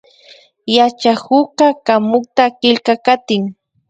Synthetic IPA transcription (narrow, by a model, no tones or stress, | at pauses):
jat͡ʃahʊkakamʊk̚t̪akɪlkakat̪ɪŋ